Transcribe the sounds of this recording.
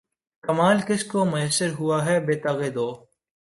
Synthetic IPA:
kɐmaːlkɪskomʊjəsːəɾɦʊaɦɛːbeːt̪ɐɣeːd̪oː

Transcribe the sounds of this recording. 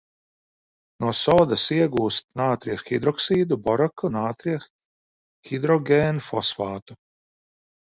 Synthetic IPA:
nuɔsɔːd̪asiɛɡuːst̪̚naːt̪ɾiːxxid̪ɾɔksiːd̪ubɔɾakunaːt̪ɾiɛx | xid̪ɾɔɡʲeːnfɔsfaːt̪u

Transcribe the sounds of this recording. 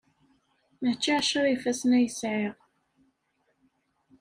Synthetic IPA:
mæt͡ʃːiʕʃaɾifæsnæjəsʕiʁ

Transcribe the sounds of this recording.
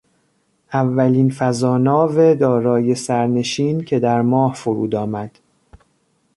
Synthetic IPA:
ʔævːæliːnfæzɒːnɒːved̪ɒːɾɒːje̞sæɾne̞ʃiːncʰe̞d̪æɾmɒːhfoɾṵːd̪ɒːmæd̪̥

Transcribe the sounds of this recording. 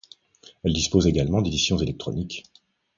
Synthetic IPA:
ɛld̪ispozeɡalmɑ̃d̪ed̪isjɔ̃zelɛk̚t̪χɔ̰nik

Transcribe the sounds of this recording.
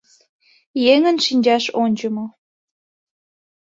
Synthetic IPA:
jeŋə̆nʃinʲd͡ʑɑʃonʲd͡ʑəmo

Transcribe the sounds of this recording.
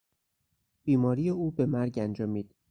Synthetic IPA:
b̥iːmɒːɾijeuːbe̞mæɾɟænd͡ʒɒːmiːd̪̥

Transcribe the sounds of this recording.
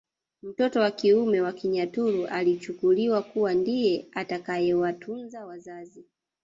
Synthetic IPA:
m̩tɔtɔwakiumɛwakiɲatuɾuʔalit͡ʃukuliwakuwandijɛatakajɛwatʰunzawazazi

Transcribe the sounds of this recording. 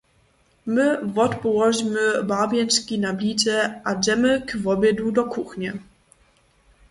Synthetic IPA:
mɘvɔt̪pɔwɔʑmɘbabʲjɛnt͡ʂkʲinablʲit͡sɛʔad͡ʑɛmɘkvɔbʲjɛd̪wud̪ɔkuxɲɛ

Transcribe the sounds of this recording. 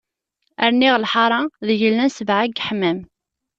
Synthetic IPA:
əɾniʁlħɑɾˤɑðəʝəlːænsəvʕaɡħmæm

